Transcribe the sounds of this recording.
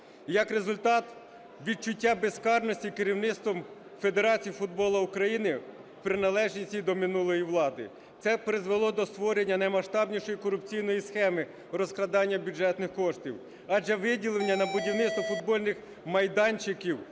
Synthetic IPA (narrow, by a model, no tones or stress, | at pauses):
jɐkɾezʊlʲt̪ɑt̪ | ʋʲid̪̚t͡ʃʊtʲːabeskɑrnɔsʲtʲikeɾʲiwnɪt̪st̪ʋɔm | fe̞d̪eɾɑt͡sʲijifʊd̪̚bɔlˠɐʊkɾɐjinɪ | pɾɪnɐlˠɛʒnʲisʲtʲid̪ɔmɪnulˠɔjiʋlˠɑd̪ɪ̰ | t̪sɛpɾɪzʋelˠɔd̪ɔst̪ʋɔɾenʲːɐnɐjmɐʃt̪ɑbnʲiʃɔjikɔɾʊpt͡sʲijnɔjisxɛmɪ | rɔsklˠɐd̪ɑnʲːɐbʲud͡ʒɛt̪nɪxkɔʃt̪ʲiw | ɑd͡ʒɛʋɪdʲilˠenʲːɐnɐbʊdʲiwnɪt̪st̪ʋɔfʊd̪̚bɔlʲnɪx | mɐjd̪ɑnʲt͡ʃɪkʲiw